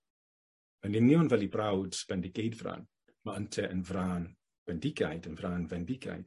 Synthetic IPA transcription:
mənɪnjɔnvɛlˠibrawd̥sv̥ɛndɪɡ̥ejdvra̰n | maəntʰɛʔənvraːn | v̥ɛndɪɡajdənvraːnvɛndɪɡa̰jd̥

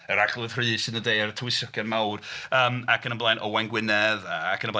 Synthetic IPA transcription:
əɾaɡlˠʊð̥rɨːsənədeɨaɾətʰwɪsɔkʰənmawrəːmakʰənəmblˠajnʔɔwanɡwɪnɛðaːkʰənəmbla

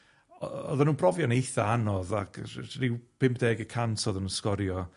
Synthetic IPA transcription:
ɔɔ̰ðanuːnb̥rɔvjɔnejθaanɔðakʰrɪwpʰɪmp̚d̥ɛːɡəkʰantʰɔðanunskɔɾjɔ

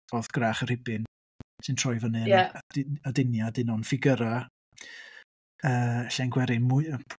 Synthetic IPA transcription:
ɔðɡ̥raχər̥ɪbɪn | sʰɨntʰrɔjvənɨdadɪnjadɪnɔnfɪɡəɾa | əːɬanɡwɛɾɪmʊ

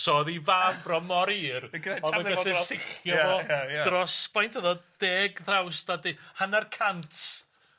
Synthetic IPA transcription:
sɔðivavrɔmɔɾiːrɡaɔəəɪɬɪχjɔvɔjadrɔspʰɔjntʰəðɔd̥eːɡθrawstadihanarkʰantʰ

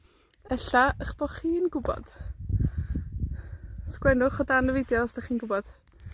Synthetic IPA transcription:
ɛɬaəχb̥ɔχiːnɡʊbɔ̰d̥ | skwɛnʊχɔdanəvɪdjɔstaχiːnɡʊbɔd̥

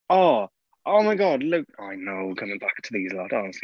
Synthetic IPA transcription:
ɔ | ʔoʊmaɪɡɒdlʊkaɪnoʊkʰʌ̃mɪ̃ŋbak̚tʰəðizlɔtɔnəsli

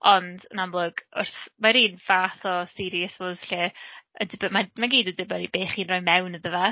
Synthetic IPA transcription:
ɔnd̥ə̰namlˠʊɡ̥ʊ̰rθmaɾiːnvaːθɔsɪɾiəsvozɬɛədɪbəmamaɡiːdədɪbəɾibeːχiːnrɔjmɛwnəðəva

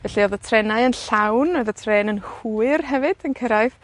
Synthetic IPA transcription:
vɛɬiɔðətʰrɛnaɨənɬawnɔðətʰreːnənhuɨrɦɛvɨd̥ənkʰəɾajv

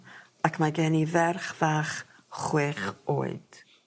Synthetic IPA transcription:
akʰmaɡɛnivɛrχv̥aːχ | χwɪχo̰ːɨd̥

